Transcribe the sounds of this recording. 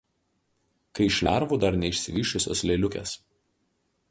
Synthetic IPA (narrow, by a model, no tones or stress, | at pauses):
kɐɪʃʲlʲæˑɾʋuːd̪ɐɾnʲɛɪʃʲsʲɪʋʲiːʃʲt͡ʃʲʊsʲo̰ːsʲlʲeːlʲʊkʲḛs